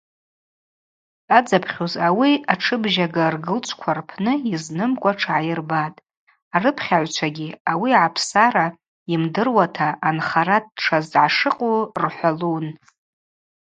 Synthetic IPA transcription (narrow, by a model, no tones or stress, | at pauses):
ad͡zapʰχʲozawiaʈ͡ʂʰɨbʒaɡarɡɨlt͡ʃʷʰkʷʰarpʰnɨiznɨmkʷʼaʈ͡ʂʰʕajɪrbatʼ | arɨpʰχʲaʕʷt͡ʃʷʰaɡʲiawiʕapʰsaɾa | imdɨrwatʰaʔːnχaɾad̚ʈ͡ʂʰazʕaʂɨqʼurħʷalun